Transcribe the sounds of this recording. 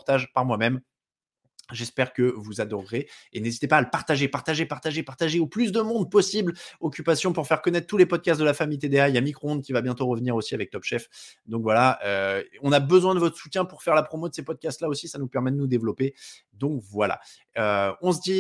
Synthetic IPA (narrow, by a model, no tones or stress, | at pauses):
ʁt̪aʒpaʁmwamɛm | ʒɛspɛʁkəvuzad̪ɔʁːeenezit̪epaːləpaʁt̪aʒepaʁt̪aʒepaʁt̪aʒepaʁt̪aʒeoplys̬d̪əmɔ̃d̪̚pɔsiblɔkʲypasjɔ̃puʁfɛʁkɔnɛt̪χət̪ulepɔd̪̚kʲast̪̚d̪əlafamijt̪ed̪ealjamikχoɔ̃d̪kʲivabjɛ̃t̪oʁəvniʁosiavɛk̚t̪ɔbʃɛfd̪ɔ̃kvwalaøɔ̃nabəzwɛ̃d̪əvɔt̪χə̥sut̪jɛ̃puʁfɛʁlapχɔmod̪əsepɔd̪̚kʲast̪laosisanupɛʁmɛd̪ənud̪evlɔpe | d̪ɔ̃kvwala̰ | øɔ̃s̬d̪i